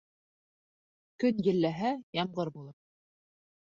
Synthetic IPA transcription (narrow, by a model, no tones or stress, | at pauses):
kɵnjɘ̆lːæɦæjɑmɢɤɾbulˠɤp̚